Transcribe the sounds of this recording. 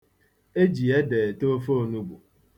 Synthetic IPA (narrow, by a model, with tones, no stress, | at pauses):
e˦d͡ʒi˨e˦deː˨to˦fo˦o˦˨nu˦ɡ͡bu˨